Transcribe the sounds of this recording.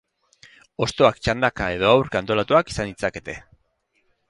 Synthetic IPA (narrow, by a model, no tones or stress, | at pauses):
o̞st̪o̞akt͡ʃand̪akae̞ðo̞awɾkant̪o̞lat̪uaki̥sand̪it͡sake̞t̪e̞